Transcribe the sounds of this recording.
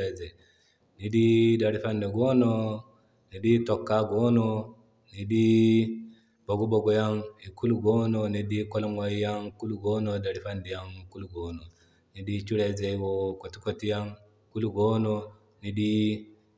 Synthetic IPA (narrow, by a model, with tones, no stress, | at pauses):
e˨ze˨ | ni˨di˦da˨ɾi˦fa˦nde˨ɡoː˦no˦ | ni˨di˦to˨kːa˦ɡo˦no˦ | ni˨di˦ | bo˨ɡu˦bo˨ɡo˨ja˦ŋi˨ku˦lu˦ɡo˦no˨ni˨di˦ko˦lo˦ma˨˦i˦ja˦ŋku˦lu˦ɡo˦no˨da˨ɾi˦fa˦ndi˨ja˦ŋku˦lu˦ɡo˨˦no˨ | ni˨˦di˦t͡ʃu˦ɾe˨ze˨˦wo˨ko˨ti˦ko˨ti˦ja˦ŋ | ku˦lu˦ɡo˦no˦ | ni˨di˦